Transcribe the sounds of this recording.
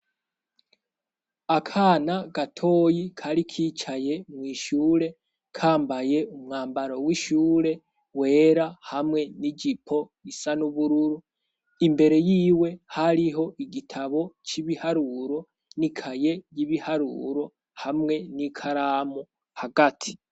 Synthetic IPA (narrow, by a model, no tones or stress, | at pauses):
akʰaːnaɡatʰo̞ːjikʰaɾikʰit͡ʃaje̞mŋiːʃuːɾe̞ | kʰaːmbaje̞umŋaːmbaɾo̞wiʃuːɾe̞ | we̞ːɾahamŋe̞nid͡ʒipʰo̞ | isanuβuɾuɾu | imbe̞ɾe̞jiːwe̞haɾiɦo̞ʔiɡitʰaβo̞t͡ʃiβihaɾuɾo̞ | nikʰaje̞jiβihaɾṵːɾo̞ | hamŋe̞nikʰaɾaːmo | haɡatʰi̥